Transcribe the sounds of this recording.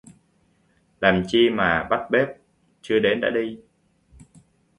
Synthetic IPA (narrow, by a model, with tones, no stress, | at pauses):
laː˨˩mt͡ɕi˧maː˨˩ɓa˦˥t̚ɓe˦˥p̚ | t͡ɕɨ˧əɗe˨˦nɗa̰ː˧˥ɗi˧